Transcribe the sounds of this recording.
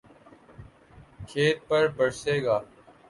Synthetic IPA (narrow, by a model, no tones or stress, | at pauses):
kʰeːt̪̚pəɾbəɽseːɡaː